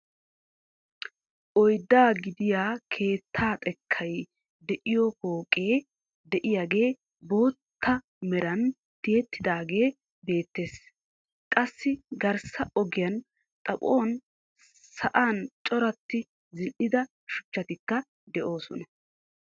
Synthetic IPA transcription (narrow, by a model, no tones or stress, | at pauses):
ʔɔjd̪ːaːɡɪd̪ɪjaːkʰe̞ːt̪ʰːaːt̪ʼɛkʰːɐj | d̪ɛʔɪjɔko̞ːkʼːe̞ː | d̪ɛʔɪjaːɡe̞ː | bo̞ːt̪ːɐ | mɛɾɐn | t̪ɪjɛt̪ːɪd̪aːɡe̞ː | be̞ːt̪ːe̞ːs | kʼɐsːɪɡɐɾsɐɔɡɪjɐn | t̪ʼɐpʼo̞ːn | sɐʔaːnt͡ʃʼɔɾɐt̪ːɪ | zɪlʔɪd̪ɐ | ʃʊ̥t͡ʃːɐt̪ɪkːɐ | d̪ɛʔo̞ːsɔnɐ